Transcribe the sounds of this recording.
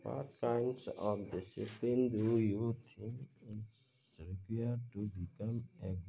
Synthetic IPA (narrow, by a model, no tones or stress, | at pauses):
pa̰t̚kãjmsɔfdisḭplindujut̪ʰinɪs | kwiətubikamɛɡ